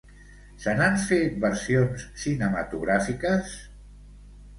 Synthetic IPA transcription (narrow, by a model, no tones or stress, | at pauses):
sənaɱfet̪̚bəɾsionssinəma̰t̪uɣ̞ɾafikəs